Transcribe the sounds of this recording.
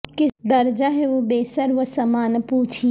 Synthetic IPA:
ked̪ɐɾd͡ʒaɦɛʋobeːsəɾʋəsɐmaːnpuːt͡ʃʰi

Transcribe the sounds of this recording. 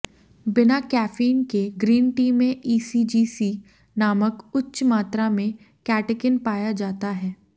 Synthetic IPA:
bɪnakɛːfiːnkeɡɾiːnʈiːmẽʔiːsiːd͡ʒiːsi | naːməkʊtːʃmaːt̪ɾamẽ | kɛːʈekɪnpaːjad͡ʒaːt̪aɦɛː

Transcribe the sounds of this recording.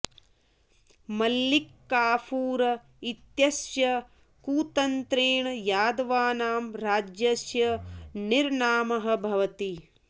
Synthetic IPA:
mɐlːikːaːpʰuːɾɐ | it̪jɐsjɐ | kuːt̪ɐnt̪ɾeːɳɐjaːd̪ɐʋaːnaːmɾaːd͡ʒjɐsjɐniɾɳaːmɐɦɐ̆bʱɐʋɐt̪i

